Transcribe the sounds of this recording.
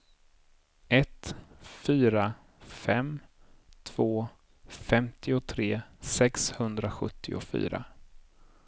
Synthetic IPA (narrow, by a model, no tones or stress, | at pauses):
ɛt̪fyːɾa | fɛmt̪ʰv̥oː | fɛmt̪ʰɪʊt̪ʰɾeːsɛkshɵnd̪ɾaɧɵ̰t̪ʰːɪʊ̰fy̰ːɾa̰